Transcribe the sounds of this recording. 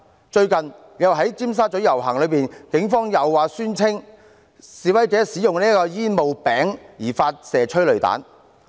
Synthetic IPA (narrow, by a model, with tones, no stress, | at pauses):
t͡ʃɵ˧ɥkɐ˨n | jɐ˨wɦɐ˨˥jt͡siː˥ms̬aː˥t͡ʃɵ˨˥ɥjɐ˨˩wɦɐ˨˩ŋlɵ˨˧ɥpiː˨nkɪ˨˥ŋfɔː˥ŋjɐ˨˩wːaː˨syː˥nt͡sʰɪ˥ŋ | siː˨wɐ˨˥jt͡sɛː˨˥siː˨˥jʊ˨ŋniː˥kɔː˧jiː˥nmo˨wpɛː˨˥ŋjiː˨˩faː˧t̚sɛː˨˩t͡ʃʰɵ˥ɥlɵ˨ɥt̪a̰ː˨˥n